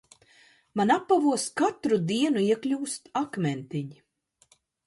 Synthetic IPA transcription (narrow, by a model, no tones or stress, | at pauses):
manapːavuɔskat̪ɾud̪iɛnuiɛklʲuːst̪akmʲɛnt̪iɲi